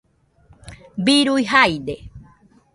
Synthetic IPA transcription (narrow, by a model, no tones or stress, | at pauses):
biɾujɦajd̪e